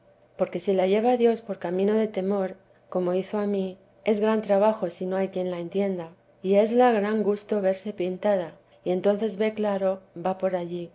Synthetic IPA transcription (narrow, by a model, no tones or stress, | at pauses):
po̞ɾke̞silaʝe̞β̞aðjo̞spo̞ɾkamĩno̞ðe̞t̪e̞mo̞ɾ | ko̞mo̞iθo̞ami | e̞zɣɾant̪ɾaβaxo̞sino̞ajkje̞nlae̞nt̪je̞nd̪a | ie̞zlaɣɾaŋɡust̪o̞βe̞ɾse̞pint̪aða | ie̞nt̪o̞nθe̞zβe̞klaɾo̞bapo̞ɾaʎi